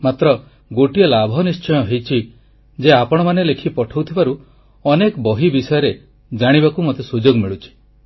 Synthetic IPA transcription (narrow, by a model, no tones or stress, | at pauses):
mat̪ɾɔ | ɡoʈiɔlabʱɔnist͡ʃɔjɔɦejt͡ʃʰi | d͡ʒeapɔɽ̃ɔmanelekʰipɔʈʰɔwt̪ʰibaɾu | ɔnekɔbɔɦibisɔjɔɾe | d͡ʒaɽ̃ibakumot̪esud͡ʒoɡmiɭut͡ʃʰi̥